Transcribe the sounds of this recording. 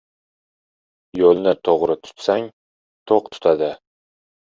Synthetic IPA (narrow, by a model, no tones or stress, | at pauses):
jolˠnɪt̪ʰoʁɾɪt̪ʰʊ̥t̪saŋ | t̪ʰoqt̪ʰʊ̥t̪ʰad̪ɪ